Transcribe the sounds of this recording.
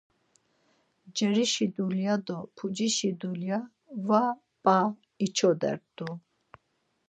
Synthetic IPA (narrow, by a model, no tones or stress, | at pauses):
d͡ʒɛɾiʃid̪uljad̪ɔpʰud͡ʒiʃid̪ulja | va | pʼa | it͡ʃʰɔd̪ɛ̰ɾd̪u